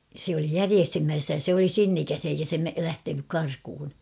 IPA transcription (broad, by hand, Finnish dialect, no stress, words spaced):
sĕ oli jæriestyhmiæsːæ jɑ sĕ oli sinːikæs eikæ se me læhtenyk kɑrkŭhun